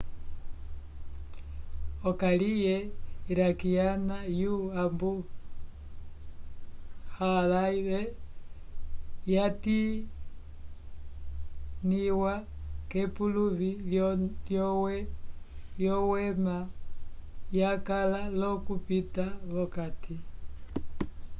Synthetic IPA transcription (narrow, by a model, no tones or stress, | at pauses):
ɔkalijɛiɾakijanajuambu | halaiβɛ | jati | niwakɛpuluβi | ljɔwɛ | jɔwɛma | jakalalɔkupitaβɔkati